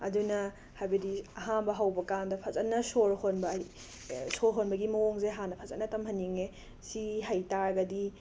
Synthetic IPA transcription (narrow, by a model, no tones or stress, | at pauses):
ɐ̰dunɐ | hajbɐdiɐɦanbɐɦawbɐkandɐpʰɐzɐnːɐsoɾhonbɐi | soɾɦonbɐɡimɐoŋzeɦanɐpʰɐzɐ̰nːɐtɐmhɐnːiŋe | siɦajtaɾɡɐdi